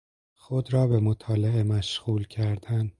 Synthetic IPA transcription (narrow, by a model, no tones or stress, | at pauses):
xod̪ɾɒːbemot̪ʰɒːlee̞mæʃɣuːlcʰæɾd̪æn